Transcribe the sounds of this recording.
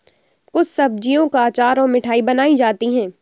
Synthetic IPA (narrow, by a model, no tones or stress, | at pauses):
kʊt͡ʃʰsɐb̚d͡ʒijõkaːt͡ʃaːɾɔːɾmɪʈʰaːibɐnaːid͡ʒaːt̪iɦɛ̃ː